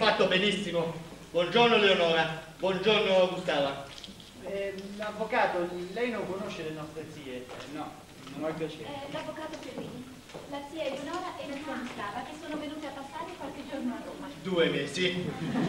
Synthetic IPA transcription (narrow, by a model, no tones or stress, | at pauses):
fat̪ːobenisːimobwɔnd͡ʒornoleonɔːɾa | bwɔnd͡ʒoɾnoaɡust̪aːva | ɛavːokaːt̪olɛjnoŋkonoʃːelenɔst̪ɾet̪siːenɔ | nonapːjat͡ʃelavːokaːt̪ofemini | lasiːaleonɔːɾaʔɛnːasuaɡust̪aːvakesːoːnovenuːt̪eapːasːaːɾekwalked͡ʒornat̪od̪uːevesi